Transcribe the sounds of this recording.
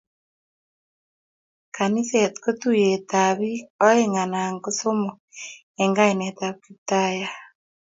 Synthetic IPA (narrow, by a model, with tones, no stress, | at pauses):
kʰa˨ni˦saa˨tko˦tu˦je˨taβi˦ɔ˦eŋa˨na˨ŋɡo˦so˦mɔ˨ | eŋɡa˦ene˨ta˦βkita˦ja